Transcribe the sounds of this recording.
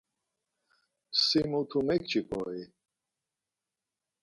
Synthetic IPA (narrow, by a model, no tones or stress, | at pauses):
simut̪ʰumɛk̚t͡ʃʰʼipʰʼɔ̰i